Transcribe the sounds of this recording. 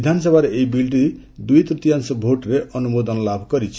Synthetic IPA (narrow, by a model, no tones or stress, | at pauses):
id̪ʱanɔs̬ɔbʱaɾeʔeibilʈ̬i | d̪ujt̪ɾut̪iansɔbʱoʈɾeʔɔnumod̪ɔnɔlabʱkɔɾit͡ʃʰi̥